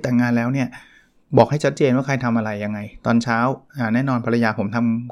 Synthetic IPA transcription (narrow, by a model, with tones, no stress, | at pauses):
t̪aː˨˩ŋːaː˧nlɛː˦˥wni˥˩ɐ | bɔː˨˩k̚ha˥˩jt͡ɕʰa˦˥t̪̚t͡ɕeː˧nwaː˥˩kʰa˧jt̪ʰa˧mʔa˧ɾa˧jːa˧ŋːa˧jt̪ɔː˧nt͡ɕʰaː˦˥wʔaː˧˩nɛː˥˩˨nɔː˧npʰa˧ɾa˧jaː˧pʰo˩˦mt̪ʰa˧m